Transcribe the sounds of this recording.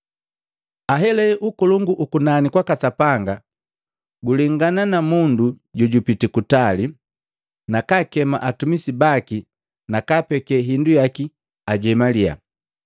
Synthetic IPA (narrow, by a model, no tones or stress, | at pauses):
aɦɛlɛʔukɔluŋɡuʔukunanikwakasapaŋɡa | ɡuliŋɡananamunduɟɔɟupitikutali | nakakɛma̰ʔatumisibaki | nakapɛkɛɦindujaki | aɟɛmalia̰